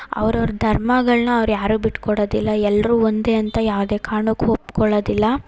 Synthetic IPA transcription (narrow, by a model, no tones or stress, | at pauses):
ɐ̰ʋɐɾɐʋɾɐd̪ʱɐɾmɐɡɐɭnɐːʋɾujaːɾuːbiʈkɔɽoːd̪ilːɐɛlːɾuːond̪e̞ːɐnt̪ɐjaːʋd̪e̞ːkaːɳukːuɦopkɔɭoːd̪ilːɐ